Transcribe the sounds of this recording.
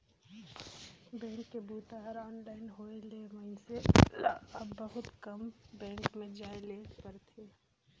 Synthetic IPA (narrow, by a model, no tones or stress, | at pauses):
bɛ̃ːŋkːebuːt̪aːɾɔːnlaːɪnɦoːelemɐɪsḛla̰əbːəɦʊt̪kɐmbɛ̃ːŋkmẽd͡ʒaːelepəɾt̪ʰeː